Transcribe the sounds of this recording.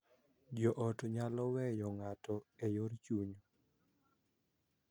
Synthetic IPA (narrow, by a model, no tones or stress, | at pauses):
d͡ʒɔʔɔtɲalɔwɛjɔŋatɔejoɾt͡ʃuɲo